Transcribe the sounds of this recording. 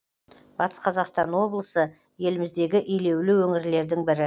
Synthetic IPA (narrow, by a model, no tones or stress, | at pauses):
bɑt̪ə̥sqʰɑzɑqst̪ɑnwo̞blˠəsə | je̞lɪmɪzd̪e̞ɡʲɪʔijle̞wlɪwɵŋɪɾle̞ɾd̪ɪŋbɪɾɪ